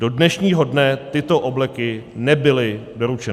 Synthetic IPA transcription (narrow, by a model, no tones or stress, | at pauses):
d̥odnɛʃɲiːɦo̞dnɛt̪ɪt̪oʔoblɛkɪnɛbɪlɪdo̞ɾut͡ʃɛn